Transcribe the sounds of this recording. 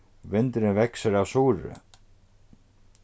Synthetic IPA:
vɪnt̪ɾɪnvɛksɪɾawsuːɾɪ̰

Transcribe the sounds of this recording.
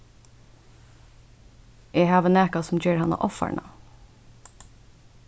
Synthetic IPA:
ʔeːhɑːʋənæːkɑsʊmd͡ʒøːɹhɑnɑ̰ʔɔfɑ̰ɳʔɑ̰

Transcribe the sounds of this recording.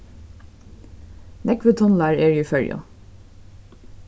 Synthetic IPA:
nʔɛkʋət̪ʰɔnlæːɹeːɹʏfœɹjo̰

